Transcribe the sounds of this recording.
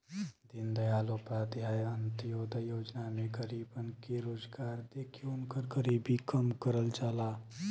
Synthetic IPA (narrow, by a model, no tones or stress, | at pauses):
d̪ɪnd̪əjaːlopɾaːd̪iɦaːjənt̪ijoːd̪ʱəjoːd͡ʒnamẽɡəɾiːbənkeɾoːd͡ʒɡaːɾd̪ekʰeʊnkəɾɡəɾiːbikəmkəɾəld͡ʒaːlaː